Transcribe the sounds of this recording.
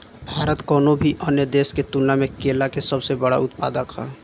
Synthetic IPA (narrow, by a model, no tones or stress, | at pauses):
bʱaːɾət̪kɔːnobʱiʔənjəd̪eːsket̪unamekelakesəbsebəɽa̰ʊt̪pa̰ːd̪əka̰